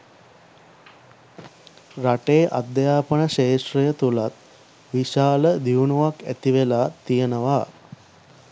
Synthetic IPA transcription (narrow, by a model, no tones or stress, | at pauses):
ɾaʈeːʔa̰d̪jaːpəɳəʃeːʃɾijət̪ulat̪̚ | ʋiʃaːləd̪iʋuɳuʋakæ̰t̪iʋelaːt̪ijənəʋaː